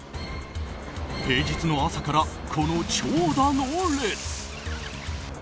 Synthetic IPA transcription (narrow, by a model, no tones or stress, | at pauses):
he̞ːd͡ʑit͡sɨno̞asakaɾakʰo̞no̞t͡ɕoːd̪anoonɾesɨ̥